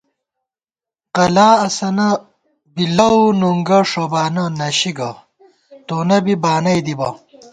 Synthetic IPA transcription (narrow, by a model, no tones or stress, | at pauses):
qɐlaːɐsɐnɐ | bilɐwnuŋɡɐʂobaːnɐnɐɕiɡɐ | t̪oːnɐbibaːnɐjd̪ibɐ